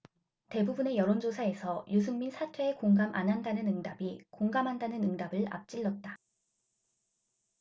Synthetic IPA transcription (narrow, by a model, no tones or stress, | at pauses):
te̞bubune̞jʌɾond͡ʑosʰae̞sʰʌjus̬ʰɯŋminsʰatʰwe̞ːkoŋɡamʔa̰nɦandanɯnɯŋdabikoŋɡamɦandanɯnɯŋdabɯɭa̰p̚t͡ɕ͈iɭːʌt̚t͈a